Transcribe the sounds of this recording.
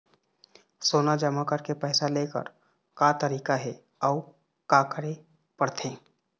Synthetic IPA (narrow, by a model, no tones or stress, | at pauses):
soːnad͡ʒɐmakəɾkepɛːsaleːkə̰ɾ | kaːt̪əɾiːkaɦɛ | ɔː | kakəɾe | pəɽt̪ʰẽː